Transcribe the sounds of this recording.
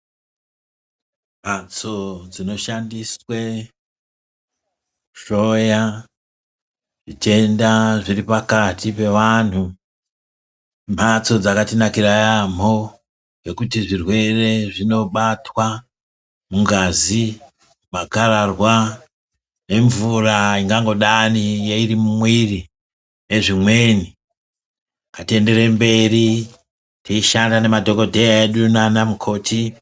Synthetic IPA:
m̤at͡so̞d͡zino̞ʃandiswe | ʂo̞ja | ʐit͡ʃe̞ndaʐiripakatipe̞ʋanhu | m̤at͡so̞d͡zakatinakirajam̤o | ɡe̞kutiʐirwe̞re̞ʐino̞ɓatwa | muŋɡazi | makararwa | ne̞ɱvuraiŋɡaŋɡo̞ɗanijeirimumwiri | ne̞ʐimwe̞ni | katie̞nde̞ɾe̞mbe̞ri | tʰiiʃandane̞madʱo̞ko̞dʱe̞jaeɗunanamukʰo̞ːtʰi

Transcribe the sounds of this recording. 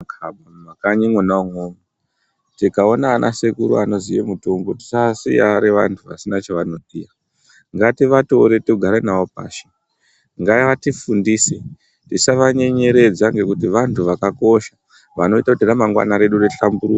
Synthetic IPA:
kaɓmakaɲiŋwonauŋoma | tikao̞naːnʔa̰sekuɾṵano̞zijemutomɡoti̥sasḭjaɾeʋa̰ntʰuʋasinat͡ʃaʋano̞ɗija | ŋɡatiʋato̞ɾe̞toɡʱaɾenaop̚a̰ːʃe̥ | ŋɡaiʋatifundise | tisaʋaɲe̞ɲe̞ɾe̞d͡zaŋɡe̞kutiʋantʰuʋakako̞ʃḁ | ʋano̞itakutiramaŋɡwa̰naɾe̞ɗureɬambuɾu

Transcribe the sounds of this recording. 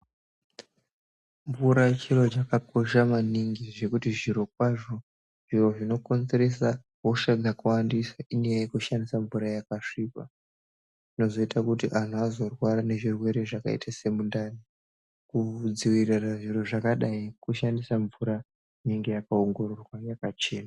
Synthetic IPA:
ɱvuɾat͡ʃiro̞t͡ʃakakoʃamaniŋɡiʐe̞kutiʐiɾo̞kwaʐo̞ | ʐ̥iro̞ʐino̞ko̞nze̞ɾe̞sa | woʂaɡʱakuwandisaʔinejajekuʃandisaɱvuɾajakaʂiːka̰̥ | ino̞zo̞itʰakutiʔan̤uazo̞rwaɾane̞ʐirwe̞ɾe̞ʐaka̰ḭtʰase̞mundani | kud͡ziwiriraʐiro̞ʐakaɗaikuʃandisaɱvuɾa | ineŋɡe̞jakaoŋɡo̞rorwajakat͡ʃe̞ːna

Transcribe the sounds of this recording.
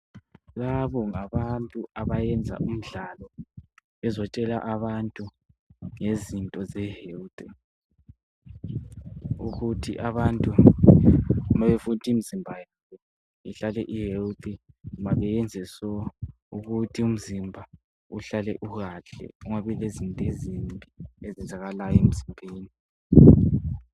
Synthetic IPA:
laβɔŋaβantʼuaβajɛnd͡zʱa̰ʔum̩ɮalɔβɛzɔt͡ʃʼɛla̰ʔaβantʼu | ŋezintʼɔzɛheltʼi | uɣutʰḭʔaβantʼu | βaβɛfutʰiimizimbʱajaβɔ | ḭɬalɛʔihelt̪ʰʼi | maβɛjɛnd͡zʱɛsɔ | uɣutʰium̩zimbʱa | uɬalɛʔuɣaɬɛ̰uŋaβilezintʼezimbʱiezɛnd͡zʱaɣalajɔem̩zimbʱeːni

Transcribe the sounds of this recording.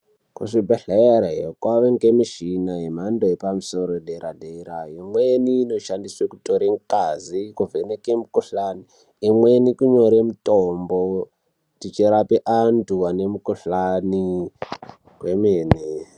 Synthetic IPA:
kṵʂibeɬeeɾeɦokwaʋeŋɡemiʃinaɦem̤andoepamusoɾoɗeɾaɗeɾaimweniːno̞ʃandiswekutoɾeŋkazikuvʱenekemukuɬaniː | mwenikuɲoɾemutombo | tit͡ʃeɾapeʔantʰuane̞mukuɬani | kwemeːne

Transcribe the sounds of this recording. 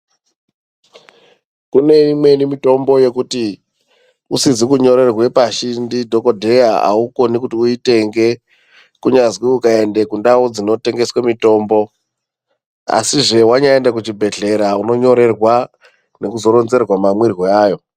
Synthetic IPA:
kune̞imwe̞nimito̞mbo̞je̞kuti | usizikuɲo̞ɾe̞rwe̞paʃindidʱo̞ko̞dʱe̞jaa̰uko̞nikutiuite̞ŋɡe̞ | kuɲazwiukae̞nde̞kundaud͡zino̞te̞ŋɡe̞swemito̞ːmbo̞ | a̰siʐe̞waɲaendak̬ut͡ʃibʱe̞ɮe̞ɾauno̞ɲo̞ɾe̞rwa | ne̞kuzo̞ɾo̞nze̞rwamamwirɣoaːjo̞

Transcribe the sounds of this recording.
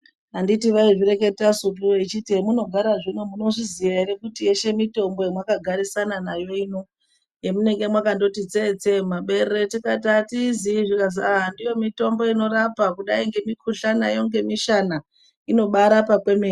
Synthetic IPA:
anditiʋaiʐire̞ke̞tasutueit͡ʃitiemuno̞ɡʱaɾaʐinumuno̞ʐizijaiɾekutije̞ʃe̞mito̞mbo̞jemwakaɡʱaɾisananajo̞ino̞ | jemune̞ŋɡe̞mwakando̞tit͡set͡se̞maɓe̞rretikatatiziiʐikazaɦandijo̞mito̞mbo̞ino̞ɾapakuɗaiŋɡe̞mikʰuɬanajo̞ŋɡe̞miʃana | ino̞ɓaɾapakwe̞meːi

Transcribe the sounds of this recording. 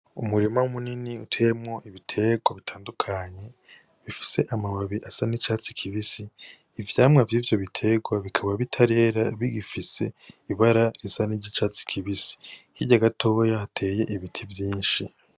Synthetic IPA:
umuɾimaumuniniutʰeːjemŋo̞ʔiβitʰe̞ɡwaβitʰaːndukʰaɲe̞ | βifi̥se̞ʔamaβaβiʔasanit͡ʃaːt͡si̥kʰiβisiː | vjaːmŋavjiːvjo̞βitʰe̞ɡwaβikʰaβaβitʰaɾe̞ːɾaβiɡifise̞iβaɾaɾisaniɟit͡ʃaːt͡si̥kʰiβisi̥hiɟaɡatʰo̞jahatʰe̞ːje̞ʔiβitʰivjiːnʃi

